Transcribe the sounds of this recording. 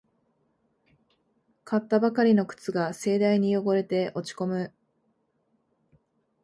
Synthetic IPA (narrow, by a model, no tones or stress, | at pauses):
kʰat̪ːabakaɾʲino̞kɯ̥t͡sɨɡase̞ːd̪aiɲ̟ijo̞ɡo̞ɾe̞t̪e̞ʔo̞t͡ɕi̥ko̞mɯ̟